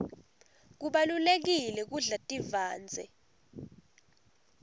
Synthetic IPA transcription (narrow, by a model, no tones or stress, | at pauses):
k̬uɓalulek̬ilɛk̬uɮatʼivaːnd͡zʱɛ̰